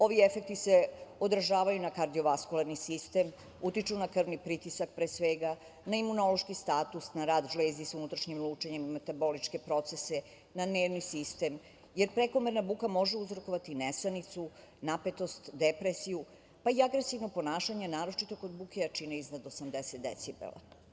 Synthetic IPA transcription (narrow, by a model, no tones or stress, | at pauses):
o̞ʋiefe̞k̚t̪ise̞o̞d̪ɾʒaːʋajunakaɾd̪io̞ʋaskulaɾnisist̪e̞m | ut̪it͡ʃunakr̩ʋnipɾit̪isak̚pɾesʋeɡa | naimuno̞lo̞ʃkist̪aːt̪usnaɾaːd̪ʒlezisunut̪ɾaʃɲimlˠuːt͡ʃeɲemːet̪abo̞lit͡ʃke̞pɾo̞t̪se̞se̞ | naneːʋnisist̪e̞m | jeɾpɾe̞ko̞meɾnabukamo̞ʒeuzɾoko̞ʋat̪inesanit̪su | nape̞t̪o̞st̪d̪epɾesiju | paiaɡɾesiʋnopo̞naːʃaɲenaːɾo̞t͡ʃit̪o̞ko̞d̪bukeat͡ʃineiznad̪osamd̪eset̪̚d̪ḛt̪sibḛlˠa̰